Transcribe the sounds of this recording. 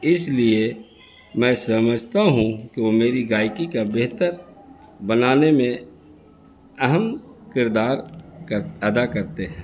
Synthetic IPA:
ɪslie | mɛ̃ːsɐməd͡ʒʱt̪aɦũkeʋomeːɾiɡaːɪkikabeɦt̪əɾ | bənaːnemẽ | ɐɦəmkɪɾd̪aːɾkəɾɐd̪akəɾt̪eɦɛ̃ː

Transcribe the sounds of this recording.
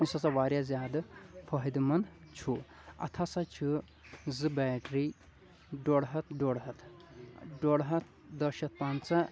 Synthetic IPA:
isɐt͡sɐʋaːɾjazjaːd̪fʰɐɦid̪mɐnt͡ʃʰu | ɐ̰t̪ʰasat͡ʃʰɨ | zɨbɛʈɾi | ɖoɽɦɐt̪ɖoɽɦɐt̪ʰ | ɖoɽɦɐt̪̚ʰ | d̪əʃɐt̪̚pant͡sa

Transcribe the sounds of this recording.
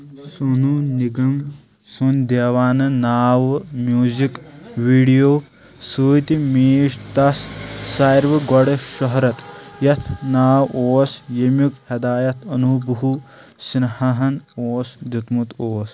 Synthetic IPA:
sununiɡɐm | sund̪eːʋaːnɐnaːʋmjuːzikʋiːɽijoː | suːt̪imiːʃt̪ɐsːaːjɾʋɨɡɔɽeʃɐɦɾɐt̪jɐt̪ʰnaːwoːsjɐmjukhɐd̪aːjɐt̪ʰɐnubʱɐɦu | snɐhɐɦɐnoːsd̪ut̪mut̪oːs

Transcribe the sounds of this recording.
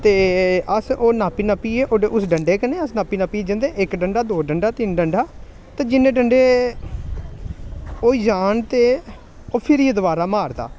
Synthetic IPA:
t̪eːəsoːnaːpiːnaːpiːeʔoːɖeːʔʊsɖəɳɖeːkənẽːəsnaːpiːnaːpiːd͡ʒə̃nd̪eːʔɪkɖəɳɖaːd̪oːɖəɳɖaːt̪ɪnɖəɳɖaː | t̪ãːd͡ʒɪnːẽːɖəɳɖeː | oːiːd͡ʒaːnt̪eː | oːpʰɪɾied̪əʋaːɾaːmaːɾd̪a̰ː

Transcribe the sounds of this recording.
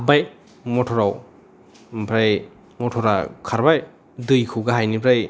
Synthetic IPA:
abaj | mɔtʰɔɾaw | bʰɾaj | mɔtʰɔɾakʰaɾbaj | dɯjkʰɯɡaɦajnibʰɾaj

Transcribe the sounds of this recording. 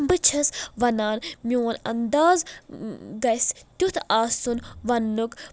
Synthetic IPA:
mbɨt͡ʃʰɐsʋɐnaːnmioːnɐ̰nd̪aːz | ɡɐst̪ʲut̪ʰaːsunʋɐnːuk

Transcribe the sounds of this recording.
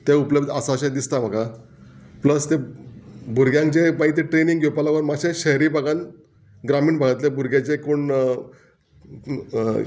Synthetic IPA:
t̪eupləbd̪asaɕẽd̪ist̪am̤aka | pləst̪e | bʱuɾɡjãŋkt͡ɕemait̪̬iʈɾeniŋɡʱepalaʋəɾmaɕẽɕəɦɾiːbaɡan | ɡɾamiːɳbʱaɡət̪lebʱuɾɡjat͡ɕekoɳ

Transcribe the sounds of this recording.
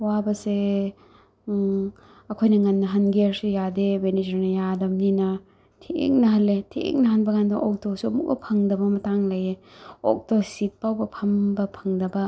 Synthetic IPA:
wabɐse | ɐkʰojnɐŋɐnːɐɦɐnɡeɾsejadebenid͡ʒɐɾnɐjadɐmninɐ | tʰḛŋnɐɦɐlːetʰḛŋ̚nɐɦɐnbɐɡandɐʔɔk̚tosuɐmuk̚bɐ̰pʰɐŋdɐbɐmɐtaŋlɐjeo̰k̚tosit̚pawbɐpʰɐmbɐpʰɐŋdɐbɐ

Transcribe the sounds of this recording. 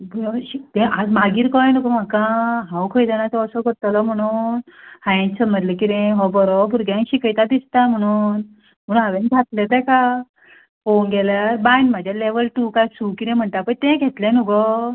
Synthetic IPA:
bɕit̪ɛ̃ʔad͡zmaɡiːɾkɔjnuɡɔm̤akãɦãwkʰəjd͡z̪anãt͡sɔəsɔkəɾt̪əlɔm̤əɽ̃uːnhãjẽnsəməd̪lekiɾɛ̃ɦɔbɔɾɔbuɾɡãɕikəjt̪ad̪ist̪am̤əɽ̃uːn | m̤əɽ̃ũnaʋend͡zʱat̪let̪ɛka | fonɡɛləbajnm̤ad͡ʑʱjaleʋəlʈukajsukiɾɛ̃m̤əɳʈ̪apəɳt̪ɛ̃ɡʱɛt̪lɛ̃nuɡɔ

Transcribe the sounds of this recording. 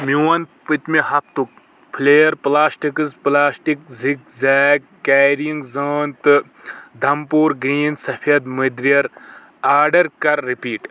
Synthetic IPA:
muwɐnt̪pɨt̪mehɐp̚ʰt̪uk̚ | pʰileːjɐɾplaːsʈikɨzplaːsʈikzik̚zɛːkkːaːɾijiŋɡzəːnt̪ɨ | d̪ʱɐmpuːɾɡɾiːnsɐpʰiɐd̪mɨd̪ɾijɐɾ | aːɾɖɐɾkɐɾːipiːʈ

